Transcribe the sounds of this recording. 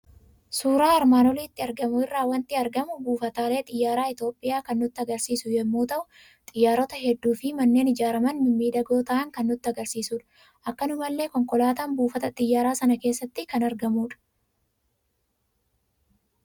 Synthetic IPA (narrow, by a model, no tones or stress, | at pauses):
suːɾaːɐɾmaːnɔliːt̪ːɪɐɾɡɐmʊɪrːaːwɐnt̪ɪɐɾɡɐmʊbuːfɐt̪aːle̞ːt̪ʼɪjːaːɾaːɪt̪o̞ːpʼːɪjaːkɐnːʊt̪ːɪɐɡɐɾsiːsʊjɛmːoːt̪ɐʔʊ | t̪ʼɪjːaːɾɔt̪ɐɦɛd̪ːuːfɪmɐnːeːnɪd͡ʒaːɾɐmɐnmɪmːiːd̪ɐɡo̞ːt̪ɐːʔɐŋkɐnːʊt̪ːɪɐɡɐɾsiːsuːᶑɐ̥ | ʔɐkːɐnʊmɐlːe̞ːkɔŋkʼɔlaːt̪aːnbuːfɐt̪ɐt̪ʼɪjːaːɾaːsɐnɐke̞ːsːɐt̪ːɪkɐnɐɾɡɐmuːᶑɐ̥